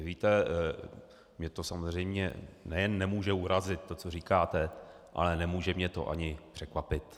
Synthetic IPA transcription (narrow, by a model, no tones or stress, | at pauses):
viːt̪ɛ | mɲɛt̪o̞samozr̝ɛjmɲɛ̰nɛjɛnːɛmuːʒɛuɾazɪt̪tːo̞t͡soriːkaːt̪ɛ | ʔa̰lɛnɛmuːʒɛmɲɛt̪o̞̰ʔa̰ɲɪpr̝̥ɛkvapɪt̪